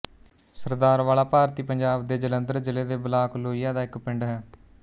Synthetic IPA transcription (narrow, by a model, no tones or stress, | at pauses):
səɾd̪aːɾʋaːlaːpaːɾt̪iːpəɲd͡ʒaːbd̪eːd͡ʒələnd̪əɾd͡ʒɪleːd̪eːbəlaːkloːijaːd̪aːɪkpɪɳɖɦɛː